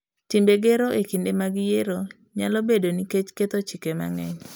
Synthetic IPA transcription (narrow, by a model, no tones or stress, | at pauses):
timbeɡeɾoʔekindemaɡɪjeɾo | ɲalobedoniket͡ʃket̪ot͡ʃɪkema̰ŋɛɲ